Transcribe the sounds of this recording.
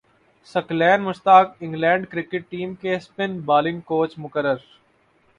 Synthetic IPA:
sɐklɛːnmʊst̪aːkɪ̃ŋɡlɛ̃ːɳɖkɾɪkɪʈːiːmkespɪnbaːlɪ̃ŋɡ̚koːt͡ʃmʊkəɾəɾ

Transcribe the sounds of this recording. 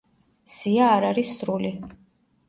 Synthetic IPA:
siaːɾaɾisːɾuli

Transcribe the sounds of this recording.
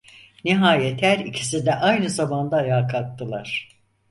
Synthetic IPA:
niɦaːjet̪ʰæɾicʰi̥sid̪ɛʔajnɯzamand̪aːjaːkʰat̪ːɯlˠaɾ̥

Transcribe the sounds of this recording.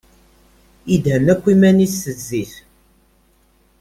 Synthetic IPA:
id̪hənækʷːimænisːəzːiθ

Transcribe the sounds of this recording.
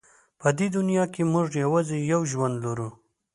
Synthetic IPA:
pəd̪ed̪ʊnjɑkemʊʐjawɑzejawʒwand̪laɾu

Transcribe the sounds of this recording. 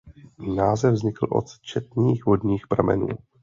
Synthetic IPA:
naːzɛvvzɲɪkl̩ʔo̰t̪t͡ʃɛt̪ɲiːxvo̞dɲiːxpɾamɛ̰nṵː

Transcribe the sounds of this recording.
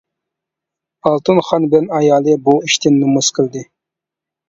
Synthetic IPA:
ɑlˠt̪ɨnχɑnbɪlɛnɑjɑːlˠɨbuiʃt̪ʰɪnːɨmuz̥qʰəld̪ɪ

